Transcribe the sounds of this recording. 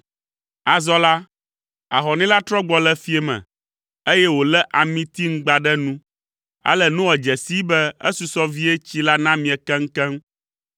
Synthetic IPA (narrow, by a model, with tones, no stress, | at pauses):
a˨zɔ˦la˦ | a˨ɦɔ˨nɛ̃˦la˦t̪ɾɔ˦ɡ͡bɔ˨lɛ˦fi˦ɛ˦mɛ̰̃˨ | e˦jɛ˦wo˨lɛ˦ʔa˨mĩ˦t̪i˦ŋ̩˦ɡ͡ba˨ɖɛ˦nũ˦ | a̰˦lɛ˨nũ˦wɛ˨d͡ʒɛ˨si˦bɛ˦ḛ˦su˨sɔ˦vi˦e˦t͡ɕi˦la˦nã˦mĩ˨ɛ˨kɛ˦ŋ̩˦kɛ˦m